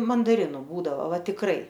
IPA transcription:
mɐndɐˈrʲɪnʊ ˈbuːdɐʋoː ˈʋɐ tʲɪkˈrɐɪ

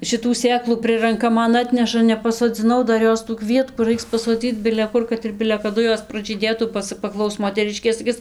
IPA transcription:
ʃʲɪˈtuː ˈsʲeːklˠuː ˈprɨrɐŋkɐ ˈmɐn ˈɑːtʲnʲɛʃɐ nʲɛpɐsoːˈd͡zʲɪnɐʊ ˈdɐr ˈjoːs tuː ˈkʋʲiɛtkuː ˈrɐɪks pɐsoːˈd͡zʲiːt͡s bʲɪlʲɛ ˈkʊr kɐt ɪr bʲɪlʲɛ kɐˈdʊ ˈjoːs prɐʒʲiːˈdʲeːtuː bɐ ˈt͡sɐ pɐˈklˠɐʊs moːtʲɛˈrʲɪʃʲkʲeː sɐˈkʲɪs

